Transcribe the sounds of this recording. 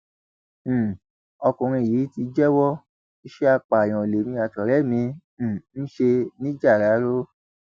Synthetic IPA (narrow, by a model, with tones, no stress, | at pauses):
ɔ˧kũ˨ɾ̃ĩ˧˨jiː˨˦ti˧d͡ʒɛ˦wɔ˦ | i˦ʃe˦a˧k͡pa˨j̃ɔ̃˨le˨mĩ˧a˨tɔ˨ɾɛ˨˦mĩ˧˦˨ | n̩˦ʃe˧nĩ˦d͡ʒa˦˨ɾa˨˦ɾo˦